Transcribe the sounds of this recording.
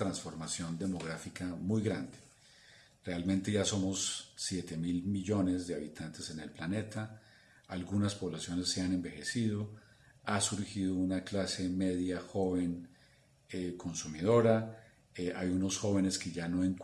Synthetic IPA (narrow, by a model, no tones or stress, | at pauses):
t̪ɾansfo̞ɾmasjo̞nd̪e̞mo̞ɣɾafikamujɡɾand̪e | re̞almẽ̞nt̪e̞ʝaso̞mo̞sːje̞t̪e̞milmiʝo̞ne̞zd̪e̞aβit̪ʰant̪e̞se̞ne̞lplane̞t̪aː | lɡunaspo̞βlasjo̞ne̞sːe̞ane̞mbe̞xe̞siðo̞ | asuɾxiðounaklase̞me̞ðjaxo̞βe̞n | ekʰo̞nsumiðo̞ɾa | ajuno̞sxo̞βe̞ne̞ske̞ʝano̞eŋk